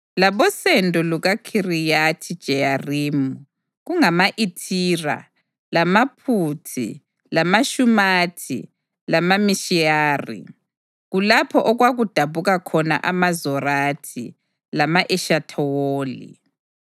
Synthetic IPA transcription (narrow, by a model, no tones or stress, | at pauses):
laβɔsendʱʼɔluɣakʰirijatʰid̥ʒ̥ʱɛjariːmu | ɣuŋamaʔitʰiːra̰ | lamapʰutʰḭ | lamaʃumatʰḭ | lamamiʃijaːrḭ | ɣulapʰɔʔɔɣwaɣud̥ʱaβuɣakʰɔna̰ʔamazɔratʰḭ | lamaʔɛʃatʰɔwoːlḭ